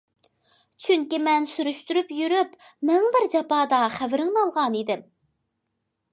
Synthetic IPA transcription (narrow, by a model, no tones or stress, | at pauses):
t͡ʃʰyŋkʲimɛnsyɾyʃt̪yɾypjyɾypmɛŋbɪɾd͡ʒɑpɑːd̪ɑχævɪɾɪŋnɑlˠʁɑnid̪ɪm